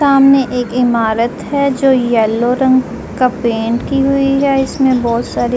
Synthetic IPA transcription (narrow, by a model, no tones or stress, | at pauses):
aːmneʔeːkɪmaːɾət̪ɦɛd͡ʒoːjɛːlːoɾɐ̃ŋɡ | kapẽːɳʈkiɦʊiɦɛɪsmẽbɔːt̪saːɾe